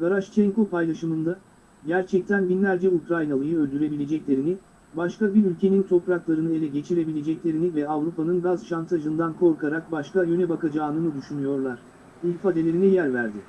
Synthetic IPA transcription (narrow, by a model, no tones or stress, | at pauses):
ɡaɾaʃt͡ʃʰɛŋko̞pʰajlˠaʃɯmɯnd̪a | ɟæɾt͡ʃʰɛc̚t̪ʰænbinlʲæɾd͡ʒɛukɾajnalˠɯjɯø̞lʲd̪yɾe̞bilʲe̞d͡ʒɛclʲe̞ɾinɪ | baʃkabiɾylʲcʰe̞nint̪ʰo̞pɾaklˠaɾɯnɯe̞lʲɛɟe̞t͡ʃʰiɾe̞bilʲe̞d͡ʒɛclʲe̞ɾinivɛavɾupanɯnɡazʃant̪ʰaʒɯnd̪ankʰo̞ɾkaɾak̚baʃkajø̞nɛbakad͡ʒaːnɯnɯd̪yʃynyjo̞ɾlˠaɾ̥ | ulʲfad̪e̞lʲe̞ɾinɛjæɾvæɾd̪ɪ